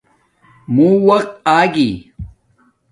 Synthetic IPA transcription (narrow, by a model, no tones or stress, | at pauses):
mũwɐqt̪aːɡiː